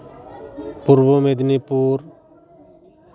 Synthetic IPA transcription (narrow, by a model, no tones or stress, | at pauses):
puɾʋomeːd̪niːpuːɾ